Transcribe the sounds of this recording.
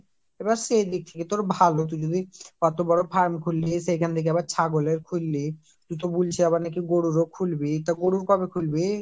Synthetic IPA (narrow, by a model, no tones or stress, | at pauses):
ebaɾsejd̪ik̚t̪ʰeket̪oɾbʱalot̪̬ud͡ʑod̪ikɔt̪obɔɾopʰaɾmkʰulːisejkʰant̪ʰekeɛbaɾt͡ɕʰaɡoleɾkʰulːi | t̪ut̪obult͡ɕʰiaβaɾnakiɡoɽuɾokʰulbit̪aɡoɽuɾkɔbekʰulbi